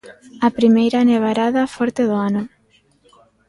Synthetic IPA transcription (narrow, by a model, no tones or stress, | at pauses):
ɐpɾimejɾaneβ̞aɾaðɐfɔɾt̪eðoanʊ